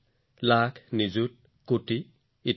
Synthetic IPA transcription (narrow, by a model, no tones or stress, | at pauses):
lakʰnizut̚ | koʈiː